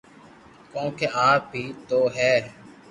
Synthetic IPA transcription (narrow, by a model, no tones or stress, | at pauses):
kõːkʰeːʔaːp̚biːt̪oːɦɛː